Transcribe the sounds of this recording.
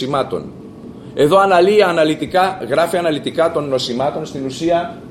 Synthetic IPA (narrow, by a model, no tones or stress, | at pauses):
imɐt̪o̞̰n | e̞ðo̞ɐnɐliːɐnɐlit̪ikɐɣɾɐfiɐnɐlit̪ikɐt̪o̞nːo̞simɐt̪o̞nst̪inusiɐ